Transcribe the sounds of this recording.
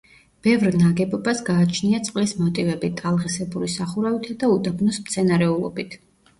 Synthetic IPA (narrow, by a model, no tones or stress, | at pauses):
b̥ɛvɾnaɡɛbɔbasɡaːt͡ʃʰniat̪sʼqʼlismɔt̪ʼivɛbit̪ʼalˠʁɛsɛbuɾisaχuɾavit̪ʰad̪aud̪abnɔsmt̪sʰɛnaɾɛulˠɔ̰bit̪ʰ